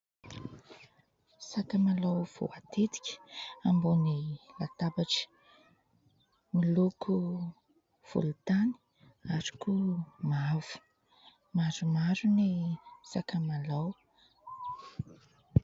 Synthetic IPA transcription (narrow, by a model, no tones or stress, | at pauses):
sakamalawv̥o̰at̪ʰet̪i̥kʲə̥ambunilat̪abaʈ͡ʂi̥ | miluku | v̥ṵlut̪ani̥ | aɾi̥kumav̥u̥ | maɾumaɾunisakamalaw